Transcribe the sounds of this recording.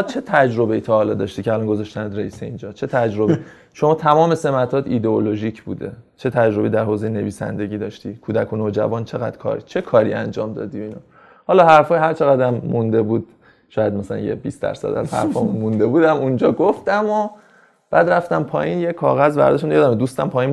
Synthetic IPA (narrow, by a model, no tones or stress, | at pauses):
t͡ʃʰe̞t̪ʰæd͡ʒɾo̞be̞jit̪ʰɒːlɒːd̪ɒʃt̪iːcʰeælɒnɡozɒʃt̪ænd̪ɾeiːseind͡ʒɒːt͡ʃʰe̞t̪ʰæd͡ʒɾo̞bei | ʃomɒːt̪ʰæmɒːmese̞mæt̪ʰɒːt̪ʰid̪eoloʒicʰbṵːd̪e̞̰t͡ʃʰe̞t̪ʰæd͡ʒɾobeiːd̪æɾhoːzejene̞viːsæ̰nd̪e̞ɟiːd̪ɒʃt̪iːkʰuːd̪ækʰunod͡ʒæ̰vɒːnt͡ʃʰe̞ɣæ̰d̪̥kʰɒ̰ːɾit͡ʃʰekʰɒːɾḭæ̰nd͡ʒɒːmd̪ɒ̰ːd̪iinɒ | hɒlɒːɦæɾfɒːjɦæɾt͡ʃʰe̞ɣæd̪æmːund̪e̞bud̪̥̚ | ʃɒːjæd̪mæsælæ̰njḛbḭst̪æ̰ɾsæ̰d̪æ̰z̥hæ̰ɾfɒːmunmund̪e̞buːd̪æmund͡ʒɒːɡoft̪æmo | b̥æːd̪ɾæft̪æmpʰɒ̰ːjinjekʰɒ̰ːɣæzvæ̰ɾd̪eʃunjɒːd̪æmed̪ust̪æmpʰɒːjin